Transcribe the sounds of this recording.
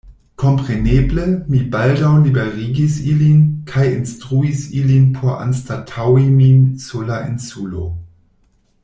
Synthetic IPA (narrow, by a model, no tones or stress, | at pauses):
kʰo̞mpʁeneblemibaldawlibeʁiɡisilinkʰajinstʁuisilinpʰoɾa̰nstatʰawiminsulaʔinsulo̰